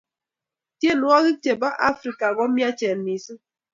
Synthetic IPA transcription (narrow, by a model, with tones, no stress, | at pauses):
tje˦˨nu˨˦a˦ɣi˦k̚t͡ʃe˨ba˦ʔa˦fɾi˨ka˨ɣɔ˦mja˦t͡ʃɛ˨n˨ni˨sɨ˦